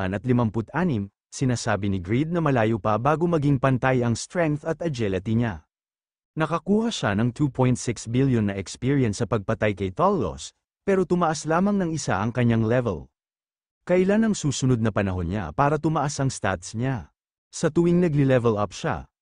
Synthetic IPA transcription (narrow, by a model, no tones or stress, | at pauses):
nɐt̪lɪmɐmpʊt̪̚ʔaːnɪm | sɪnaːsaːbɪnɪɡɹid̪̚nɐmɐlaːjopɐbaːɡomɐɡiŋpɐnt̪ajɐŋst̪ɹɛŋk̚θɐt̪ɐd͡ʒɛlɐt̪iɲa | nɐkɐkuːhɐʃanɐŋt̪ʰupʰo̞jnt̪sɪksbiljonːɐʔɛkspiɹiɛnsːɐpɐɡ̚pɐt̪ajkɐjt̪olo̰s | pɛːɾo̞t̪ʊmɐʔaslaːmɐŋnɐŋɪsa̰ʔɐŋkɐɲːaŋlɛvɛ̰l | kɐʔɪlanɐŋsuːsʊno̞d̪̚nɐpɐnɐɦo̞nɲa̰paːɾɐt̪ʊmɐʔasɐŋst̪a̰t̪sɲa | sɐt̪ʊwiŋnɐɡlɪlɛvɛlapʃa̰